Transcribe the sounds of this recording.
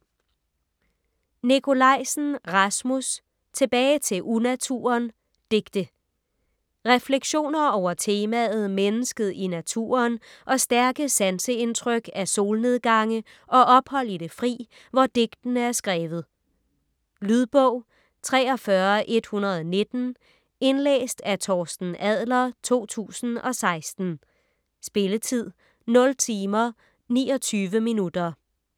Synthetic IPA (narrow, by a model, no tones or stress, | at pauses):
nikʰo̝lɑ̈ɪ̰sn̩ʁɑsmus | t͡sʰe̝b̥ɛːɪt͡sʰe̝ʔunæt͡sʰṵɐn | d̥e̝ɡ̥d̥ə | ʁɛfleɡ̥ɕo̝̰ːnɐɒʊ̰ɐt͡sʰe̝ːmæðð̩ˠmenəsɡ̥əð̞̩ˠinæt͡sʰṵːɐnʔɒ̽sd̥æɐɡ̥əsænsəe̝nt͡sʰʁœɡ̥æso̝ːlne̝ð̞ˠɡ̥ɑ̈ŋə | ʔɒ̽ʔɒ̽b̥hɒ̽l̰id̥e̝fʁḭː | ʋɒd̥e̝ɡ̥d̥ən̩əæɐsɡ̥ʁɛːʋð̞̩ˠ | lyðˠb̥ɔ̽ʊ̰ | t͡sʰʁɛːɒ̽fɶɐʔe̝d̥hunɐð̞̩ˠɒne̝d̥n̩ | e̝nlḛːsd̥æt͡sʰɒːsd̥n̩ʔæð̰ˠlɐt͡sʰo̝̰ːt͡sʰṵːsn̩ɒ̽sɑ̈ɪsd̥n̩ | sb̥e̝lət͡sʰið̞̰ˠ | nɔ̽lt͡sʰiːmɐ | nḭːɒ̽t͡sʰyːʋəminud̥ɐ